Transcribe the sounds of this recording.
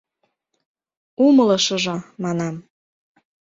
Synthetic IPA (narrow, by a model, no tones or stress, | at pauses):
uməlɤ̆ʃɤ̆ʒŏmɑnɑm